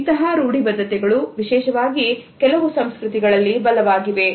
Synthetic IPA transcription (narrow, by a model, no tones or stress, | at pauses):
t̪ɐɦɐɾuːɽibɐd̪ʱːɐt̪ɛɡɐɭuʋiʃɛːʃɐʋaːɡikɛlɐʋusɐmskɾut̪iɡɐɭɐlːibɐlɐʋaːɡiʋe̞